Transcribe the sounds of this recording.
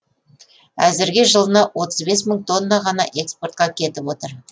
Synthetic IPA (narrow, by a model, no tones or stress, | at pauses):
æzɪɾɡʲɪʒəlˠənɑwo̞t̪əzbe̞sməɴt̪ʰo̞nːɑʁɑnɑ̰ʔe̞kspo̞rt̪̚qɑkʲʰe̞t̪ɪpwo̞t̪əɾ